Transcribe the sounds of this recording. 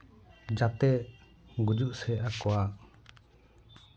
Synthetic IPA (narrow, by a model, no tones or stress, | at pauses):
d͡ʒat̪ɛ | ɡud͡ʒuʔsɛakowa